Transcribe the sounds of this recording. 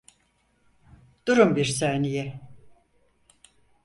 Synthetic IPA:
d̪̥uɾumbiɾsæɾnijɛ

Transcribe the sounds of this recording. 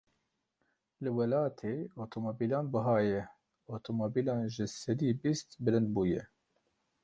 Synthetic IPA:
lɨwɛlɑːt̪ʰeːot̪ʰomobiːlɑːnbɨɦɑːjɛ | ot̪ʰomobiːlɑːnʒɨsɛd̪iːbist̪bɨlɨnd̪̚buːjɛ

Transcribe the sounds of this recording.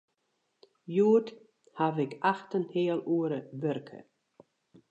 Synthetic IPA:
juət | havɪkaxtənhɪːəlˠuəɾəbørkʰə̰

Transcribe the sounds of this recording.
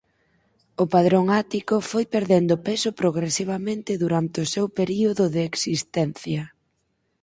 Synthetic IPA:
ʊpaðɾoŋat̪ikʊfojpeɾðend̪ʊpesʊpɾoɣɾesiβ̞amẽnt̪ɪðuɾant̪ɪʊsewpeɾioðʊðɪːksist̪ɛnθjɐ

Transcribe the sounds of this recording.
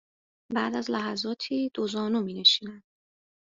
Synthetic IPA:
bæːd̪æzlæɦæzɒːt̪ʰiːd̪̥ozɒːnumiːne̞ʃiːnæn̥

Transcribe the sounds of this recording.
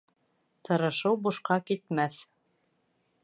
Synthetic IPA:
t̪ʰɤ̆ɾɤ̆ʃɤwbuʃqɑkit̪mæθ

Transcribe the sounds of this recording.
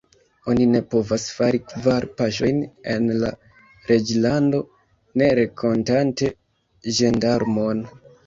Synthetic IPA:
o̞nine̞po̞vasfaɾikvaɾpaʃo̞jne̞nla̰ | ɾe̞d͡ʒlando̞ | ne̞ɾe̞kʰo̞ntante̞ | ʒendaɾmon

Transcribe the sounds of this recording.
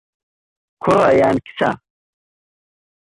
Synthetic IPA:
kʰʊɾajaːnkʰi̥t͡sa̰

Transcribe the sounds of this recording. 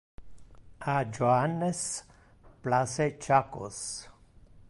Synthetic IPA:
ad͡ʒoanes | plaset͡ʃako̰s

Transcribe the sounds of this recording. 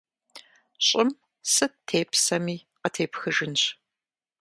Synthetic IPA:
ɕʼɪm | sɨtʰeːpsɐmiː | qətʰeːpxɨʒɪnɕ

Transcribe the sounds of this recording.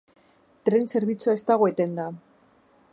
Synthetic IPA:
t̪ɾe̞nse̞ɾβ̞it͡suae̞st̪aɣ̞oe̞t̪e̞nd̪a

